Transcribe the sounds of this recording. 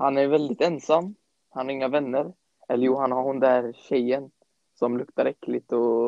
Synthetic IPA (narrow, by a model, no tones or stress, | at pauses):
hanæɾjvɛld̪ɪt̪ɛnsamː | hanhaɾɪŋːavɛnːəɾ | ɛlːəɾjuːɦanhaɾhʊnd̪æːɾɕɛjːən | sɔmlɵkt̪aɾɛkːlɪt̪ɔ